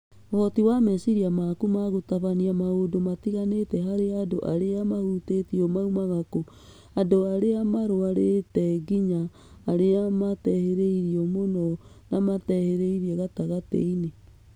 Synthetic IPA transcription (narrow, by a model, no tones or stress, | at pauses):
ohɔtiwamɛsiɾiamakumaɣotaβaniamaodomatiɣanetɛɦaɾeadoʔa̰ɾeamahutetiɔmaumaɣako | adoaɾeamaɾoaɾetɛɡiɲaː | ɾeamatɛheɾeiɾiɔmonɔ | namatɛheɾeiɾiɛɣataɣatḛine